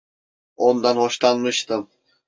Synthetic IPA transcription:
ond̪anhoʃlˠanmɯʃt̪ɯm

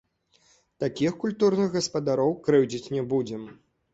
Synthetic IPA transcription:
t̪akʲixkulʲt̪uɾnɨɣɣɐspɐd̪aɾɔwkɾɨwd͡zʲit͡sʲnʲɛbud͡zʲɛm

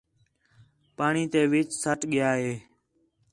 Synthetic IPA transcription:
paːɳiːt̪eːʋɪt͡ʃsəʈɠɪjaːɦeː

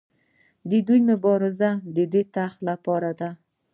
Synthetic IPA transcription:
d̪ed̪ʊjmʊbɒɾɪzad̪ed̪ɪt̪ʰaχlapʰɒɾad̪a

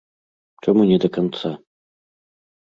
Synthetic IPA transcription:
ʈ͡ʂɐmunʲɛd̪ɐkant̪sa

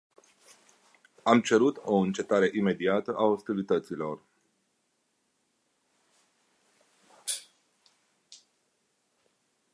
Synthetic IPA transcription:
amt͡ʃe̞ɾut̪o̞ɨnt͡ʃe̞t̪aɾe̞ʔime̞d̪iat̪əʔaost̪ilit̪ət̪silo̞r

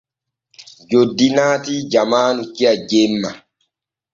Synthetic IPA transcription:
d͡ʒodːinaːt̪id͡ʒamaːnukiad͡ʒemːa

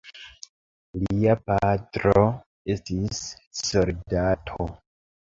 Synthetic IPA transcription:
liapatɾo̞ | e̞stisːo̞ldatʰo

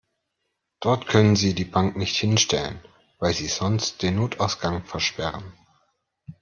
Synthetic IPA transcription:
d̥ɔɐtkʰœnənziːdiːbaŋknɪçthɪnʃtɛlə̰n | vaɪlziːz̥ɔnst̚d̥eːnːoːtʰaʊsɡ̥aŋfɛɐʃpɛʁən

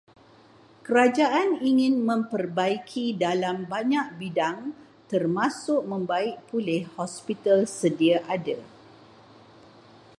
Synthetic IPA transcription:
kəɾad͡ʒaʔaniŋɪ̃nmə̃mpərbaikʰidalambaɲaʔ̚bidaŋ | t̪ərmãsʊʔ̚mə̃mbaɪʔ̚pulɪhhɔspit̪alsədiaʔada

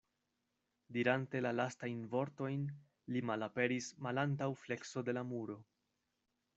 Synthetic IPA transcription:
diɾante̞lalastajnvo̞ɾto̞jn | limalape̞ɾismalantawfle̞kso̞de̞lamuɾo̞

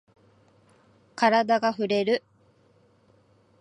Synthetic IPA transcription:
kaɾad̪aɡaɸɯ̟ɾe̞ɾɯ̟

